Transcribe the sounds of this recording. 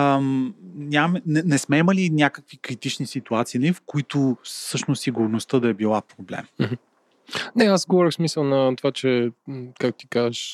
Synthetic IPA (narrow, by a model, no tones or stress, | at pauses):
mnʲamɛnɛnɛsmɛimɐlinʲjakəkvikɾit̪it͡ʃnisit̪uat̪sinifkoit̪ʊsɤʃnosiɡʊɾnost̪əd̪ɐɛbilˠapɾoblɛ̰mm̩ɦ̩ | nɛaszɡovɔɾʲəxsmisəlˠnɐt̪ovat͡ʃɛkak̚t̪ot̪ikazvəʃ